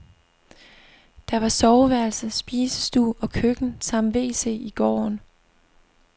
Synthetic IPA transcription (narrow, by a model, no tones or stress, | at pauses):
d̥ɑʋɑ̈sɒʊʋæɐlsəsb̥iːsə̥sd̥ṵːɒ̽kʰøɡ̥n̩sɑ̈m̰dʋe̝̰ːse̝̰ːiɡ̥ɒ̰ːn